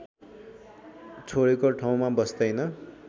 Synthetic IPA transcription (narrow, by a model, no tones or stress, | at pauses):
t͡sʰoɽekoʈʰaw̃mabʌsd̪ʌjnʌ